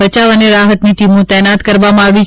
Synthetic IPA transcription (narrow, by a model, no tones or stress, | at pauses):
ət͡ʃaʋəneɾaɦət̪niʈimõt̪ɛnat̪kəɾʋamãaʋi